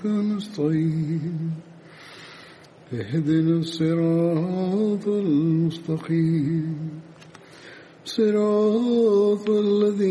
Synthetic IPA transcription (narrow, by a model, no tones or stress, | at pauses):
kanɨsˤt̪ˤɑiːm | lɪhad̪nɨsˤːɨɾɑː | t̪ˤalmʊst̪ɑqiːmm | sˤːɨɾɑː | t̪ˤalːaði